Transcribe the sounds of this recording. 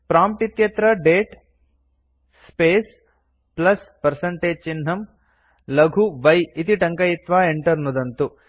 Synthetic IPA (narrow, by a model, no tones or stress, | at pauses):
pɾaːmp̚ʈit̪jɐt̪ɾɐɖeːʈ | speːs | plɐspɐɾsɐɳʈeːd͡ʒt͡ʃinɦɐm | lɐɡʱuʋɐjit̪iʈɐŋkɐjit̪ʋaːeɳʈɐɾnud̪ɐnt̪u